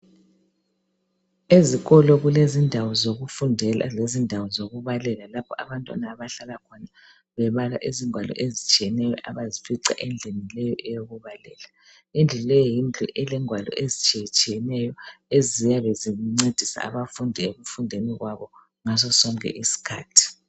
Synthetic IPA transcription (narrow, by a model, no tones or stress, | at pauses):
eziɣɔlɔɣulezindʱawɔzoɣufundʱɛlalezindʱawɔzoɣuβalɛlalapʰɔʔaβantʼwa̰naːβaɬalakʰɔna | βɛβala̰ʔiziŋwalɔ̰ʔezit͡ʃʼijɛnɛjɔʔaβazifiǀa̰ʔɛnd͡ɮʱenilɛjɔʔɛjoɣuβalɛ̰la | ind͡ɮʱulɛjɔjind͡ɮʱṵʔɛlɛŋwalɔ̰ʔezit͡ʃʼit͡ʃʼijɛnɛjɔezijaβeziuŋ͡ǀed̥ʱisa̰a̰βafundʱieβufundʱeniɣwaβɔ | ŋazɔsɔŋkʼɛ̰ʔisi̥kʰa̰ːtʰi̥